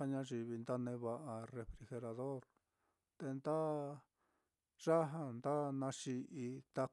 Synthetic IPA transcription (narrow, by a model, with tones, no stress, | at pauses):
a˦˧ɲã˧˦ʐi˧βi˧nd̪a˦nẽ˧βa˧ʔa˧re˧fɾi˧xe˧ɾa˧ðo˦ɾ | t̪e˧nd̪a˦ | ʐ̥a˦ɦa˧nd̪a˦nã˧ʂi˧ʔi˧t̪a˧